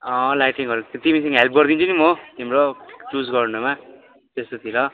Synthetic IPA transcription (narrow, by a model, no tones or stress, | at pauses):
ʌ̃lajʈiŋʌɾt̪imisʌ̃ŋɡʌɦelp̚ʰɡʌrd̪int͡sʰʌnimot̪imɾot͡ʃusɡʌrnuma | t̪est̪ot̪ʰiɾʌ